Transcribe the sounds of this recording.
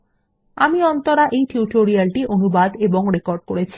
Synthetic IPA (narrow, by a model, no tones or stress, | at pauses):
amiɔnt̪oɾaʔejʈiuʈoɾialʈiʔonubad̪eboŋɾekoɾɖ̚koɽet͡ɕʰi̥